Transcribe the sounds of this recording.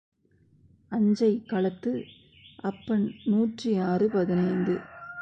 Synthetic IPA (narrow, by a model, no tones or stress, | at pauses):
ɐɲd͡ʒɐɪkɐɭɐt̪ːɯ | ʔɐpːɐɳnuːʈriaːrɯpɐðɪnɐɪnd̪ɯ